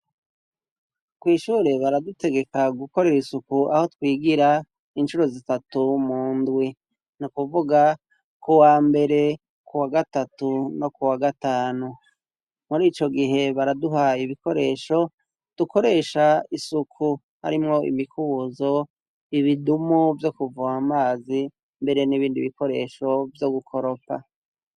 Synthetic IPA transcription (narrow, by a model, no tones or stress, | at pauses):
kwiːʃuːɾe̞βaɾadute̞ɡe̞kaɡuko̞ɾe̞ɾisukuʔa̰ho̞twiːɡiɾa | inʃuɾo̞zitatumuːndwi | nukuvuɡa | kuwaːmbe̞ɾe̞ | kuwaɡatatuno̞kuwaɡataːnu | muɾiːt͡ʃo̞ɡiɦe̞βaɾaduɦaːjiβiko̞ɾe̞ːʃo̞ | d̥uko̞ɾe̞ːʃaisukʰu | ha̰ɾimŋo̞ḭmikʰuzo̞ | iβidumuvjo̞kuvuamaːzi | mbe̞ɾe̞niβiːndḭβiko̞ɾe̞̰ːʃo̞vjo̞ɡukʰo̞ɾo̞pa̰